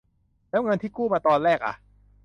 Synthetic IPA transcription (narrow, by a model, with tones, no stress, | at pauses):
lɛː˦˥wŋɤ˧nt̪ʰiː˥˩kuː˥˩maː˧t̪ɔː˧nɾɛː˥˩k̚ʔa̰˨˩